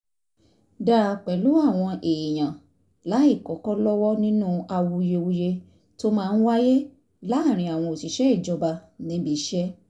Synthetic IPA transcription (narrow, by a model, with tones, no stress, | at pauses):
da˦˨k͡pɛ˨lu˨˦a˦˨w̃ɔ̃˧ʔe˨j̃ã˨ | la˨˦i˦˨kɔ˨˦kɔ˦lɔ˦wɔ˦nĩ˦nũ˦a˧wu˧je˧wu˧je˧ | to˦mãː˦˧n̩˦wa˦je˦ | la˨˦a˦˨ɾ̃ĩ˧˦a˨w̃ɔ̃˧o˨ti˨˦ʃɛ˦i˦˨d͡ʒɔ˧ba˧nĩ˨˦bi˦ʃɛ˦